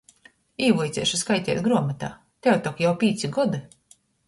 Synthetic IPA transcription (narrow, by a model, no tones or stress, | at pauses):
iːvujt̪sʲɛ̰ːʃuskajt̪ʲɛ̰ːt̪̚ɡɾuɔmat̪a̰ː | t̪ʲɛwt̪ɔkjawpʲiːt̪siɡɔd̪i